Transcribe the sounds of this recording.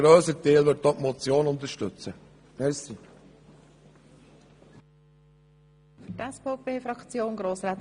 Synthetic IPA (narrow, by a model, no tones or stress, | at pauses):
ɾøːsət̪eːlʋʏt̚t̪ɔtmɔt͡sjoːnʊnt̪əɾʃtɵt͡sə | pɛsi | fʏtɛsfopʰeːfɾɑkt͡sjoːnɡɾoːsɾaːt̪